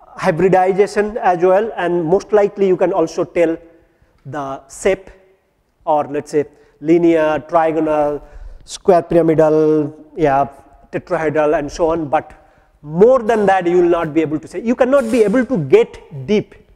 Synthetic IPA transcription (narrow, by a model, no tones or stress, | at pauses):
haɪbɾɪɖaɪd͡ʒeʃə̃næd͡ʒuəlɛ̃ɳɖmoːsʈlaɪklijuːkɛ̃nɔːlsoːʈɛl | d̪əsep | ɔːɾlɛʈseː | liniəʈɾaɪɡɔnəlskwek̚pɾiamɪɖəlja | ʈeʈɾoɦeɖəlɛ̃ɳɖsoːɔ̃nbʌʈ | moːɾd̪ɛ̃nd̪æʈjuːʋɪlnɔːʈ̚bieːbəlʈusejuːkɛnɔːʈ̚bieːbəlʈuɡeʈɖiːp